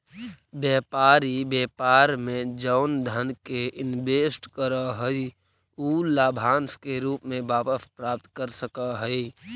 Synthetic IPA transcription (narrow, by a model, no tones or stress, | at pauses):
bjɛːpaːɾibɛːpaːɾmẽd͡ʒəʊnd̪ʱənkeʔɪnbeːsʈkəɾəɦəi | uːlaːbʱaːnskeɾuːpmẽbaːpəspɾaːp̚t̪kəɾsəkəɦəi